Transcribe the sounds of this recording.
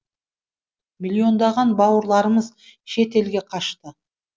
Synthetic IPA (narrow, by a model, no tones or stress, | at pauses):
mʲilʲːio̞nd̪ɑʁɑnbɑwəɾlˠɑɾəməz | ʃe̞t̪e̞lɡʲe̞qʰɑʃt̪ə